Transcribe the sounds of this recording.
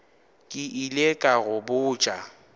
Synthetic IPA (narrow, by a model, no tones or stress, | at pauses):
kʼɪʔilekʼaɣʊbʊːt͡ʃʼa